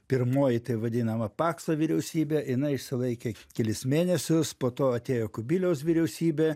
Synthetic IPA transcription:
pʲɪɾmoːjɪt̪ɐɪʋɐd̪ʲɪnɐmɐpɑːksɐʋʲiɾʲɛʊsʲiːbʲejɪnɐɪɪʃʲsʲɪlˠɐɪkʲeːkʲɛlʲɪsmʲeːnʲɛsʲʊspoːt̪oːɐt̪ʲeːjoːkʊbʲiːlʲɛʊsʋʲiɾʲɛʊsʲiːbʲeː

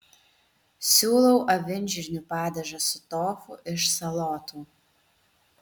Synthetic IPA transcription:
sʲuːlˠɐʊʔɐʋʲɪnʲʒʲɪɾʲnʲʊpɑːd̪ʲɛʒɐsʊt̪oːfʊʔɪʃsɐlˠoːt̪uː

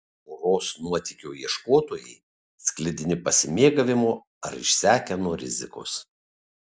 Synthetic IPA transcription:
oɾoːsnuɔt̪ʲɪkʲoːiɛʃkoːt̪oːjɛɪ | sʲklʲɪd̪ʲɪnʲɪpɐsʲɪmʲeːɡɐʋʲɪmoː | ɐ̰ɾɪ̰ʃʲsʲæːkʲɛnuɔɾʲɪ̰zʲɪ̰ko̰s

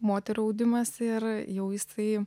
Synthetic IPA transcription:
moːt̪ʲɛɾuɐʊd̪ʲɪmɐsɪrjɛʊjɪsɐɪ

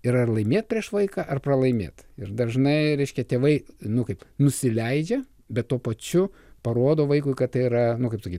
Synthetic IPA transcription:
ɪɾɐrlˠɐɪmʲeːt̪̚pʲɾʲiɛʃʋɐɪkɑʔɐrprɐlˠɐɪmʲḛːt̪ɪɾd̪ɐʒnɐɪɾʲɛɪʃʲkʲɛt̪ʲeːʋɐɪnʊkɐɪpnʊsʲɪlʲɛɪd͡ʒʲɛ | bʲɛt̪toɔpɐt͡ʃʲʊ | pɐɾoːd̪oːʋɐɪkʊɪkɐtt̪ɐɪɪɾɐnʊkɐɪpsokʲiːt

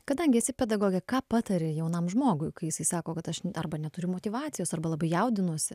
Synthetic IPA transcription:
kɐd̪ɐŋʲɡʲɪɐsʲɪpʲɛd̪ɐɡoːɡʲɛkɑːpɑːt̪ɐɾʲɪjɛʊnɐmʒmoːɡʊɪkɐɪjɪsɐɪsɑːkoːkɐt̪ɐʃɐrbɐnʲɛt̪ʊɾʲʊmoːt̪ʲɪʋɑːt͡s̪sʲɪjoːsɐrbɐlˠɐbɐɪjɛʊd̪ʲɪnuɔsʲɪ

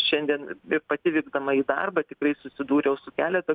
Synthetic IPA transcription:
ʃʲɛnʲd̪ʲiɛnɪpɐt̪ʲɪʋʲɪːɡd̪ɐmɐiːd̪ɐ̰rbɐt̪ʲɪkɾɐɪsʊsʲɪd̪uːɾʲɛjɛʊsʊkʲæːlʲɛt̪ɐ

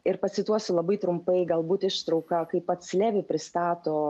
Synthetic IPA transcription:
ɪɾpɐsʲɪt̪uɔsʲʊlˠɐbɐɪt̪ɾʊmpɐɪɡɐlˠbuːt̪ɪʃt̪ɾɐʊkɐkɐɪppɐt̪sʲlʲæːʋʲɪpʲɾʲɪst̪ɑːt̪oː

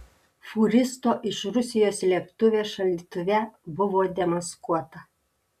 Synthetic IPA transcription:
fuɾʲɪst̪oːʔɪʃɾʊsʲɪjoːslʲiɛpt̪ʊʋʲeːʃɐlʲit̪ʊʋʲɛbʊʋoːd̪ʲɛmɐskuɔt̪ɐ

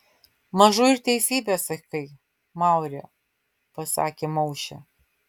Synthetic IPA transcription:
mɐʒuɪɾt̪ʲɛɪsʲiːbʲeːsɐkɐɪ | mɑˑʊɾʲɛ̰ː | pɐsɑ̰ːkʲemɐʊʃʲɛ̰

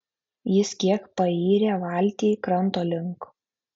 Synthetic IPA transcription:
jɪskʲiɛkpɐiːɾʲeʋɑlʲt̪ʲiːkɾɐnˑt̪oːlʲɪŋk

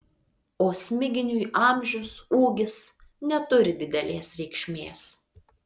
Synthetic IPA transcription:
oːsʲmʲɪɡʲɪnʲuʔɑˑmʲʒʲʊsuːɡʲɪsnʲɛt̪ʊɾʲɪd̪ʲɪd̪ʲɛlʲeːsɾʲɛɪkʃʲmʲeːs

